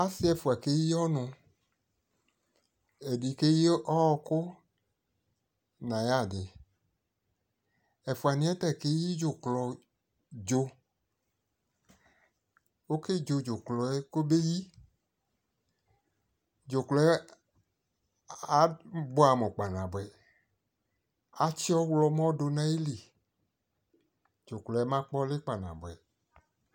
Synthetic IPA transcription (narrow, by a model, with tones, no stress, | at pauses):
a˦sɪ˦ɛ˨fu˨a˨ke˦i˦ɔ˦nʊ̃˧ | e˨di˨ke˦ji˦ɔ˦˧kʊ˦ | nã˨ja˦˨dɪ˨ | ɛ˨fʊ˨a˨nĩ˨˦ɛ˦tɛ˦˨ke˦ji˦d͡ʒʊ˨klɔ˨ | d͡ʒo˧ | o˦ke˦d͡ʒo˨d͡ʒo˨klɔ˨ɛ˦ko˦be˦ji˦ | d͡ʒo˨klɔ˨˦ | a˨bɔ˦a˨mɔ̃˨k͡pa˨nã˨bwɛ˨ | a˨t͡ʃi˦ɔ˦wlɔ˧mɔ̃˦do˧nã˦i˦li˨ | d͡ʒo˨klɔ˨ɛ˦mã˦k͡pɔ˦le˦k͡pa˨nã̰˨bɛ˨